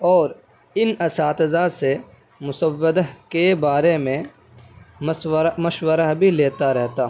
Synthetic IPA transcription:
ɔːɾ | ɪnɐsaːt̪zaːse | mʊsəʋːəd̪əɦkebaːɾemẽ | mswɾmɐʃwəɾaɦbʱileːt̪aɾɛɦt̪aː

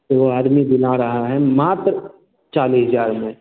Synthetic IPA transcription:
t̪oʋoaːd̪mib̪ɪnaɾɐɦaɦɛmaːt̪ɾə | t͡ʃaːlisəzaːɾmẽ

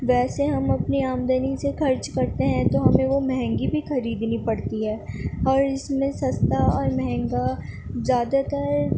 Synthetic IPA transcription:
ʋɛːseɦɐmɐpniaːmd̪ənisexɐɾt͡ʃkɐɾt̪eɦɛ̃t̪oɦɐmẽʋomɛɦɛ̃ŋɡibʱixɐɾiːd̪nipɐɽt̪iɦɛːɔːɾɪsmẽsɐst̪aɔːɾmɛɦɛ̃ŋɡazjaːd̪at̪əɾ

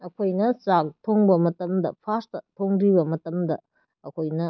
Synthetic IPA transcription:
ɐkʰojnɐsak̚tʰoŋbɐmɐtɐmdɐ̰pʰastɐtʰoŋɾibɐmɐtɐmdɐː | kʰojnɐ

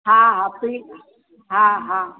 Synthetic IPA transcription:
ɦãɦãti | ɦãɦã

